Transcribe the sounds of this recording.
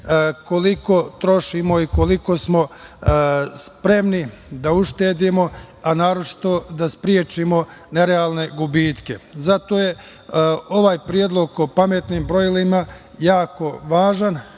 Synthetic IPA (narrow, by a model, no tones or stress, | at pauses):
ko̞liko̞t̪ɾo̞ʃimo̞ikoliko̞smo̞ | spɾe̞mni | d̪auʃt̪e̞ːd̪imo̞anaːɾo̞t͡ʃi̥t̪o̞d̪aspɾjet͡ʃimo̞ | ne̞ɾeaːlˠne̞ɡubiːt̪ke̞zat̪o̞ːje̞ | o̞ʋaːjpɾijed̪lˠo̞ɡ̚kopame̞t̪niːmbɾojlimajaːko̞ʋaːʒan